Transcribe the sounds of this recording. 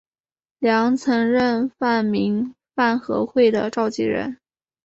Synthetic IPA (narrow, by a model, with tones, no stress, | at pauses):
ljɑ˧˥ŋt͡sʰɤ˧˥ŋɻə˥˧nfa˥˩nmi˧˥ŋ | fa˥˩nxɤ̰˧˥xwe˥˩ɪd̪ə̰˩ʈ͡ʂɑ˥˧ʊt͡ɕḭ˥˩ɻə̰˧˥n